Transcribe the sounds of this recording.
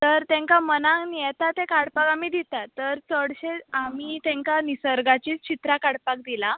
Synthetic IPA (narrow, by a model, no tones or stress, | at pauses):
t̪əɾt̪ẽŋkamənãŋnijɛt̪at̪ekaɽpakamid̪it̪at̪ːəɾt͡səɽɕeamiːt̪ẽŋkanisəɾɡat͡ɕiːt͡st͡ɕit̪ɾakaɽpak̚d̪ila